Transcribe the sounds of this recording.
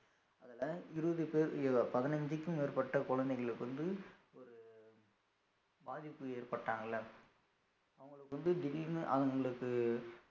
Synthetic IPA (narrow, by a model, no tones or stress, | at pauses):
ɐðɐlɐɪɾɯʋɐðɯpeːɾɐpɐðɪnɐɲd͡ʒɯkːɯmeːɾpɐʈːɐkɔɻɐnd̪ɐɪɣɐɭɯkːɯʋɐnd̪ɯɔɾɯ | baːðɪpːɯeːrpɐʈːaːŋɡɐlːɐ | ɐʋɐŋɡɐɭɯkːɯʋɐnd̪ɯd̪ɪɾinʔɐ̰ʋɐŋɡɐɭɯkːɯ